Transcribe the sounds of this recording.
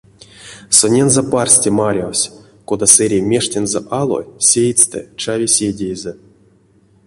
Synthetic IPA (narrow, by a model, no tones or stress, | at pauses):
sonʲenzeparsʲtʲemaɾʲawsʲ | kod̪aseɾʲemʲe̞ʂtʲenzɛʔalˠo̰sʲejt͡st̪ɨ̰t͡ʃavʲesʲedʲejzʲɛ